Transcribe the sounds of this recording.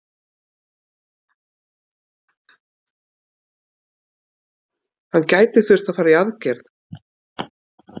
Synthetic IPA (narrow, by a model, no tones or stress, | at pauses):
hanːcaːjt̪ɪθʏr̥t̪aðfaːɾaiaðcɛɾð